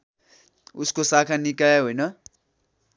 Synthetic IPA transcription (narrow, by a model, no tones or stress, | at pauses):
uskosakʰanikaɦojnʌ